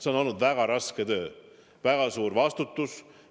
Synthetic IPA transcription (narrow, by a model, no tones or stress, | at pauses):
se̞ono̞lnud̪væɡ̥ɑɾɑske̞t̪ø̞ː | væɡ̥ɑsuːɾvɑst̪ut̪ːˑus